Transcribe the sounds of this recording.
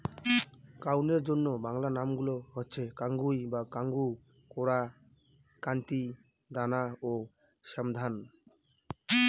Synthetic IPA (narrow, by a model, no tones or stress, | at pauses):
kawneɾd͡ʑonːobaŋlanamɡuloɦotːɕʰekaŋɡujbakaŋɡu | koɾa | kant̪i | d̪anao | ʃamd̪ʱan